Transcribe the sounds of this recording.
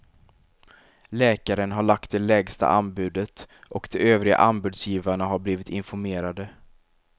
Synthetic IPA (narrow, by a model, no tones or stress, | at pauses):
lɛːkaɾənɦaɭak̚t̪̚d̪ɛlɛːɡst̪a̰ʔanbʉ̟ːd̪ət̪ʔɔkd̪ɛʔøːvɾɪɡa̰ʔanbʉ̟ːd̪sjiːvaɳaɦaɾbliːvɪt̪ɪnfɔɾmeːɾad̪ə